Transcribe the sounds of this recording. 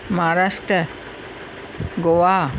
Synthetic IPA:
maɾasʈɾə | ɡowa

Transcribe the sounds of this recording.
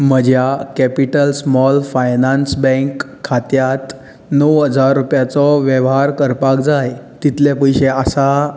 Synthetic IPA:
m̤əd͡ʑjakɛpiʈəlsmɔlfajnansbɛ̃ŋkʰː | at̪jat̪ | nəwɦəd͡zaɾːupjat͡sɔʋjəʋɦaɾkəɾpak̚d͡zajt̪it̪lepəjɕeasa

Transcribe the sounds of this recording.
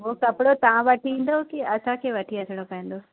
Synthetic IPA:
ɦoːkɐpɪɽot̪ɐʋ̤ãʋɐʈʰiĩːn̆d̪okiɐsãkʰeːʋɐʈʰiɐtʰɪɽ̃okɐ̃ĩːn̆d̪o

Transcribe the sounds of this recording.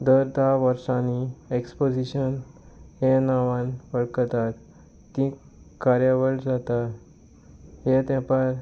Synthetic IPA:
d̪əɾd̪ʱaʋəɾsãniekspod͡ʑiɕənhenaʋãnʋəɭkət̪at̪ː | ĩ | kaɾjaʋəɭd͡zat̪a | het̪ɛ̃paɾ

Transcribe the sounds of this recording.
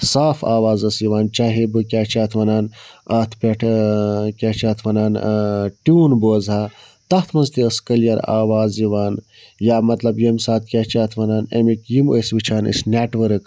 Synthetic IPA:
saːfʰa̰ːʋaːzɐsiʋaːnt͡ʃaːɦibɨkʲaːt͡ʃaːt̪ʰʋɐnaːnɐt̪ʰpʲɐʈʰkʲaːt͡ʃaːt̪ʰʋɐnaːnʈuːnboːzɦaː | t̪ɐht̪ʰmɐnzt̪iəskɐljɐɾa̰ːʋaːziʋaːn | jaːmɐt̪lɐbjɐmsaːt̪̚kʲaːt͡ʃaːt̪ʰʋɐnaːnemikjimosʋit͡ʃʰaːnḭsneːʈʋəɾɨk

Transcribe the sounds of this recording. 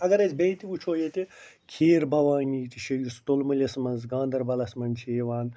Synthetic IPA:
ɐɡɐɾɐzʲbẽːt̪iut͡ʃʰoːjet̪i | kʰeːɾbɐʋaːniːt̪iʃɐjust̪olmɐlʲɐsmɐnzɡãːnd̪ɐɾbɐlɐsmɐnt͡ʃʰeʋaːn

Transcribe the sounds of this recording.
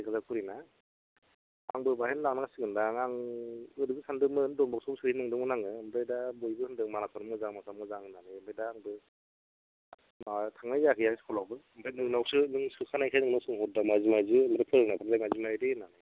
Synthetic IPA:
kʰazakʰuɾina | aŋbɯbahenlaŋnaŋsɯɡɯndaŋaŋɯdɯɡɯsandɯmɯndɔmbɔk̚sɔsɯinɯŋdɔŋɯnaŋɯɯmbɾajdabojbɯhɯndɯŋmanasʰɔɾɔmɡɯzaŋmasʰamŋɡɯzaŋɯnaŋɯɯmpʰajdaːŋbɯ | matʰaŋnajakʰɯjaskʰɔlawbɯ | mbʰenɯŋnawsɯnɯŋsɯkʰanajkʰajnɯŋnawsɯŋɦɔt̚damazimajzɯɯmbɾepʰɯɾɯŋnapʰaɾadajmazimajdenaŋɯ

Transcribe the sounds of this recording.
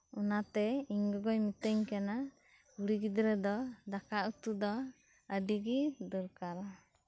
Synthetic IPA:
unat̪ɛiɲɡɔɡɔjmit̪əɲkana | uɽiɡid̪ɾɛd̪ɔd̪akaʔut̪ud̪ɔ | əɖiɡid̪ɔɾkaɾa

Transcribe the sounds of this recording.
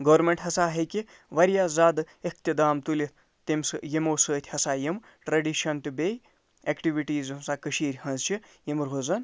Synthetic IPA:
ɡɐʋɾmeɳʈɦɐsaːɦeki | ʋɐɾjaːzaːd̪ | ek̚ʰt̪ʲid̪aːmt̪ulʲi | t̪emsɨjemoːsəːt̪ʲʰhɐsaːjem | ʈɾɐɖiʃɐnt̪ibeːj | eːkʈiʋiʈiːzsaːkɐʃiːɾʲhɐ̃nzt͡ʃʰijemɾɦozɐn

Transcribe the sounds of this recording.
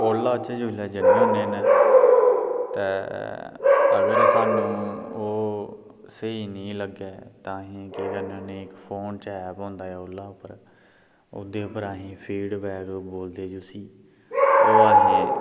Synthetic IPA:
oːlːaːt͡ʃeːd͡ʒoːlɛːd͡ʒənẽːɦõːneːneː | t̪eː | əɡəɾsaːnũːoː | səɦiːnĩːləɡeːt̪ãːɦĩːkeːɾanãneːɪkpʰoːnt͡ʃɛːpõːnd̪aːɛːoːlːaːʊpəɾ | ʊ̰d̪eːʊpəɾaːɦĩːpʰiːɖbɛːkboːld̪eːd͡ʒoːsiː | oːaːɦĩː

